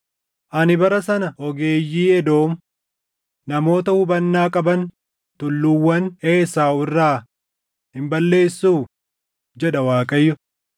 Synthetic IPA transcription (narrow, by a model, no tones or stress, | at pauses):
ʔɐnɪbɐɾɐsɐnɐhɔɡe̞ːjːiːɛd̪o̞ːm | nɐmo̞ːt̪ɐhʊbɐnːaːkʼɐbɐn | t̪ʊlːʊwːɐneːsaːwɪrːaː | hɪmbɐlːe̞ːsːuː | d͡ʒɛᶑɐwaːkʼɐjːʊ